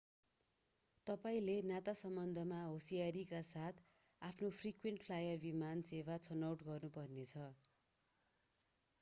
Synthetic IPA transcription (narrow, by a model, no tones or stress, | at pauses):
t̪ʌpaĩlenat̪asʌmbʌnd̪ʱʌmaɦosijaɾikasat̪ʰ | apʰnopʰrikweɳʈpʰlajʌrbimanseβat͡sʰʌnawʈɡʌrnupʌrnet͡sʰʌ